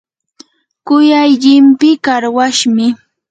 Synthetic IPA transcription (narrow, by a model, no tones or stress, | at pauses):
kʊjajʎɪmpɪkaɾwaʃmɪ